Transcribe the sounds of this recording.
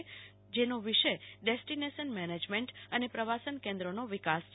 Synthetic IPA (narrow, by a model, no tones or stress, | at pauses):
d͡ʒenoʋiʃəɖesʈineʃənmɛned͡ʒmẽɳʈənepɾəʋasənkɛ̃nd̪ɾonoʋikas